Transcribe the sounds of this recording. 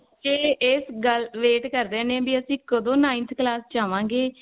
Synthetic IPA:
t͡ʃeːɪsɡəlʋeːʈkəɾd̪ẽːnẽːbiːəsĩːkəd̪õːnãːĩnt̪ʰklaːst͡ʃaːʋãːɡeː

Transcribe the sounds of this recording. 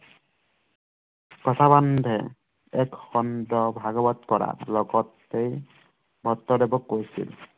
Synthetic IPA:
kɔt̪ʰaband̪ʱɛ | ɛkxɔndɔbʱaɡɔbat̪kɔɾa̰ɹlɔɡɔt̪ː | ej | bʱɔt̪ːɔd̪ebɔkːojsḭl

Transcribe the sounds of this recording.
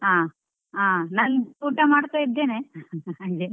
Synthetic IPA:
ɦaː | aːnaːnuːʈɐmaːɽt̪aid̪ːeːneɦaːɡe

